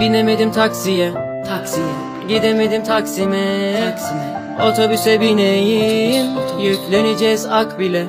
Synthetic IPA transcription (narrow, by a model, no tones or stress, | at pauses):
binemed̪imt̪ʰaksijɛ | t̪ʰaks | ɟid̪emed̪imt̪ʰaksimɛksiɛ | ot̪ʰobysɛbinejimjyclʲened͡ʒɛzakbilʲɛ